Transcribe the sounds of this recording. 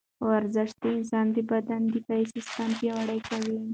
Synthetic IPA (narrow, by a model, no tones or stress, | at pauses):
waɾzəʃt̪əɪnsɑnd̪əbad̪and̪əfajsɪst̪əmpjawaɽəjkawi